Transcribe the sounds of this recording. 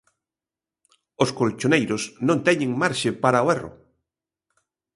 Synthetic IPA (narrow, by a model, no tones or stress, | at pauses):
oskolt͡ʃonejɾosnõnt̪ɛɲẽŋmaɾʃɪpaɾaoɛro̰